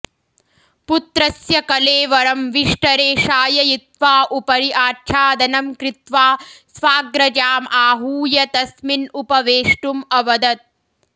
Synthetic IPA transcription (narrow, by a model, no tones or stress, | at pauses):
put̪ɾɐsjɐkɐleːʋɐɾɐmʋiʂʈɐɾeːʃaːjɐjit̪ʋaːʔupɐɾiʔaːʃʰaːd̪ɐnɐmkɾɪt̪ʋaːsʋaːɡɾɐd͡ʒaːmaːɦuːjɐt̪ɐsminupɐʋeːʂʈumɐʋɐd̪ɐt̪̚